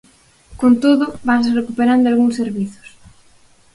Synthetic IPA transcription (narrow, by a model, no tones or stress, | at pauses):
kont̪oðʊβansrekupeɾand̪ʊalɣuŋsːeɾβiθʊ̥s